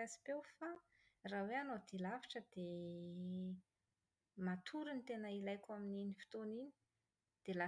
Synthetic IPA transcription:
asi̥pewfa | raweanod̪ilavi̥ʈ͡ʂəd̪̥e | mat̪ʰuɾunt̪enəilajkʲamininifi̥t̪onini̥ | d̪̥ela

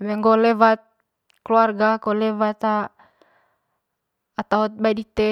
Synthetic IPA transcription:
bɛŋɡɔlɛvat̪̚ | kluarɡakɔlɛvat̪a | t̪aɦɔt̪̚badit̪e

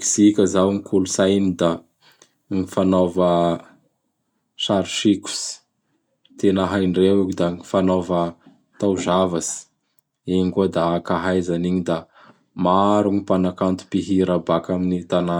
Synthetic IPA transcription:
ksikʲəzawŋikʰulusajnid̪a | ŋifanovə | saɾuʃiku̥si̥ | t̪enaɦajɳɖ͡ʐewukid̪aŋifanovə | t̪awzavasi̥ | eŋɡud̪aakaɦajzaniɲid̪a | maɾuŋipanakant̪u̥piɦiɾabakaminit̪ana

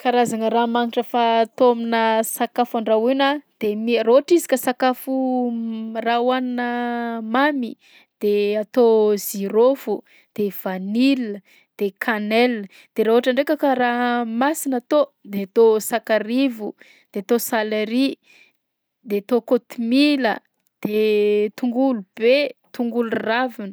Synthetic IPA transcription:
kaɾazaŋəramaŋiʈ͡ʂəfat̪ominəsakafaɳɖ͡ʐawinad̪̥emiroɦaʈ͡ʂizikəsakafu | rawannəmami | d̪̥eat̪oziɾofu | d̪̥ev̥anil | d̪̥ekʰanɛlə | d̪̥eɾaoaʈ͡ʂaɳɖ͡ʐekakəramasinat̪od̪eat̪osakaɾivu | d̪̥eat̪osaleɾi | d̪eat̪okot̪imilə̰ | d̪̥et̪uŋɡulub̥et̪uŋɡuluravinə

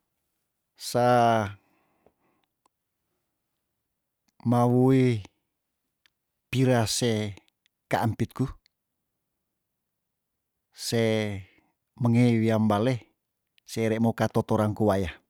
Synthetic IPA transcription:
sa | mawui | piɾase | kaampit̪̚ku | se | məŋeiwiambale | seɾɛmokat̪ot̪oɾankuwaja

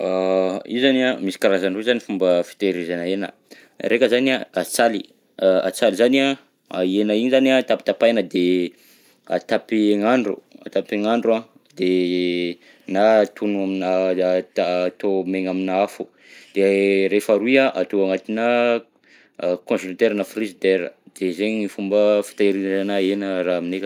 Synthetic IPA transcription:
aizaniamisi̥kaɾazanrezanifumbəfi̥t̪eɾizanaenə̰ | rekəzaniaat͡sali | a̰t͡salizania | aenaiɲizaniat̪api̥t̪apajnəd̪e | a̰t̪apieŋaɳɖ͡ʐṵa̰t̪apeŋaɳɖ͡ʐua | d̪e | nat̪unuaminat̪ːt̪omeŋaminaafu | d̪̥eɾefaɾuaʔat̪oaŋat̪inə | kõsult̪eɾənafrizid̪eɾə̰d̪̥ezeɲifumbəfi̥t̪aeɾinnanaenəraaminekə

